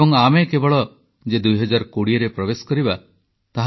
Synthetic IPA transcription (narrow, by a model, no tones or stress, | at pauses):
ɔŋamekebɔɭɔ | d͡ʒed̪ujɦɔd͡ʒaɾkoɽieɾepɾɔbesɔ̥kɔɾiba | t̪aɦ